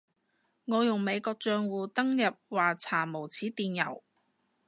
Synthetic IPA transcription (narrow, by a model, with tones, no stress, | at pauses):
ŋɔː˨˧jʊ˨˩ŋme˨˧jkɔː˧k̚t͡ʃœː˧ŋwuː˨˧t̪ɐ˥ŋjɐ˨p̚waː˨t͡sʰaː˨˩mo˨˩wt͡sʰiː˨˥t̪iː˨njɐ̰˨˩w